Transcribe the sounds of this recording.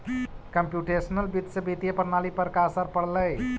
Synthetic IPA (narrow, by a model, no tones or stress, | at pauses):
kəmpjuʈesənəlbit̪səbit̪ijəpəɾnalipəɾkasaɾpəɽləj